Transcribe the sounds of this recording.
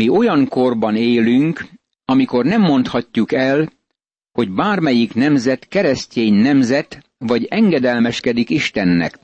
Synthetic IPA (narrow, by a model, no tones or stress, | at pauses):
io̞jɒŋko̞rbɒneːlyŋk | ɒmiko̞rnɛmːo̞n̪t̪hɒcːukɛl | ho̞ɟbaːrmɛjiknɛmzɛt̪kɛɾɛsceːɲnɛmzɛt̪ | ʋɒɟɛŋɡɛd̪ɛlmɛʃkɛd̪ikiʃt̪ɛnːɛ̰k